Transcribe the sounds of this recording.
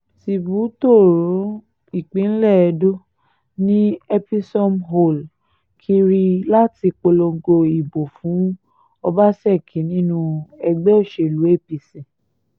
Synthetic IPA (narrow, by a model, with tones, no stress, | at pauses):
si˨bu˨˦to˦˨ɾõ˨˦ | i˨k͡pĩ˨˦n̩˦lɛ˦˨ɛ˧do˦ | nĩ˦ɛ˦pi˦sɔ˦mɦo˦˨l | kʰi˧ɾi˧la˦ti˧k͡po˧lo˧ɡo˧i˨bo˨fũ˨˦ | ɔ˧ba˦sɛ˦˨kʰi˨˦nĩ˦nũ˧ɛ˧ɡ͡bɛ˦o˦˨ʃe˨lu˨˦e˦˨pi˧sĩ˨